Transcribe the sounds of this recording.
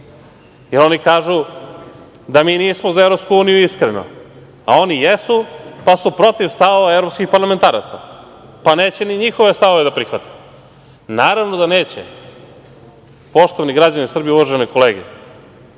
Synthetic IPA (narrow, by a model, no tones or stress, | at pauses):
jeɾo̞nikaːʒu | d̪amiːniːsmozaevɾo̞pskuuːnijuiskɾeno̰ | a̰o̞nijesupasupɾo̞t̪iʋst̪aʋo̞ʋaevɾopskixpaɾlament̪aːɾa̰t̪sa̰ | pane̞ːt͡ɕeniɲixoʋe̞st̪aʋoʋe̞d̪apɾixʋat̪e̥ | naːɾaʋno̞d̪ane̞ːt͡ɕe | po̞ʃt̪oʋaniɡɾad͡ʑanisr̩bijeuʋaʒenojkʰo̞leːɡḛ